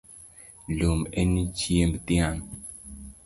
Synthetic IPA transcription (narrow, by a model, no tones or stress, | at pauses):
lomenit͡ʃjemt̪ian